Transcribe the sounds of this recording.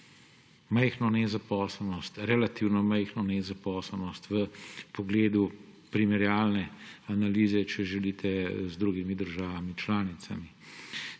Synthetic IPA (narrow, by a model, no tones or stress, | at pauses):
mɛjxnɔnɛzapɔːslnɔst̪ɾɛlat̪iwnɔmɛjxnɔnɛzapɔːsəlnɔst̪ʋəpɔɡleːd̪upɾimɛɾjaːlnɛanaliːzɛt͡ʃɛʒɛlit̪ʰɛzd̪ɾuːɡimid̪əɾʒaːʋamit͡ʃlaːnit̪sami